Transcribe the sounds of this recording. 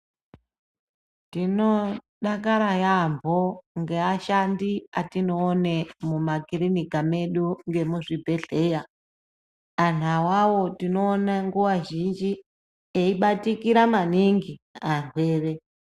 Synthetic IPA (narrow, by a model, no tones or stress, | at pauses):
tino̞ | ɗakaɾajambʱoŋɡe̞aʃandiatino̞ːnemumakirinikame̞ɗuŋɡe̞muʐibʱe̞ɬeja | an̤awawo̞tino̞ːnaŋɡuwaʒind͡ʒi | eiɓatikiɾamaniŋɡiaŋweːre